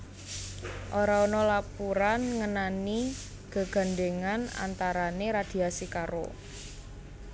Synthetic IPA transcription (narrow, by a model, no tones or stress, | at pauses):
ʔoɾaonɔlapuɾanŋənani | ɡ̥a̤ɡ̥a̤nɖeŋana̰nt̪aɾaneɾad̪̥i̤asikaɾo̰